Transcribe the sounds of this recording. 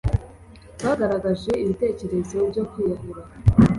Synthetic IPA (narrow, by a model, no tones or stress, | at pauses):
βaːɡaɾaɡaʒe̞iβite̞ːce̞ɾe̞zebɟo̞kwiːjahuɾa